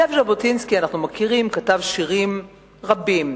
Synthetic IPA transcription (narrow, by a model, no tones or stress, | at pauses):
efʒabotinskianaχnumakiʁimkatavʃiʁim | ʁabim